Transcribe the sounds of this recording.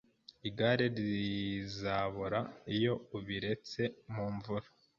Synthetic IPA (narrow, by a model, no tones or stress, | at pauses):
iɡaɾeɾizaβuɾaijo̞uβiɾe̞t͡se̞muːɱvuɾa